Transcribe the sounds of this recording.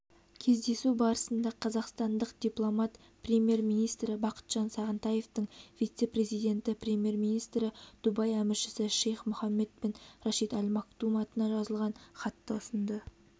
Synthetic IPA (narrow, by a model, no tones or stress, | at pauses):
kʲʰe̞zd̪e̞subɑɾəsənd̪ɑqʰɑzɑqst̪ɑnd̪əqd̪̥ʲijplˠo̞mɑt̪ | prʲemje̞rmijnijst̪ɾɪbɑqə̥t̪ʒ̥ɑnsɑʁənt̪ɑje̞ft̪əɴvijt̪se̞pɾe̞zijd̪ʲe̞nt̪ɪprʲemʲje̞rmijnijst̪ɾɪd̪̥ubɑjæmɪɾʃɪ̥sɪʃejχmʊχɑmːe̞t̪̚penɾɑʃijt̪ɑlʲmɑk̚d̪umɑt̪ənɑʒɑzəlˠʁɑnχɑt̪ːɑʊsənd̪ə